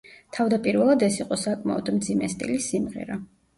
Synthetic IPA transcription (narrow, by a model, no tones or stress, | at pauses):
t̪ʰavd̪apʼiɾvɛlˠad̪ɛsiqʼɔsakʼma̰ɔd̪md̪zimɛst̪ʼḭlisimʁɛ̰ɾa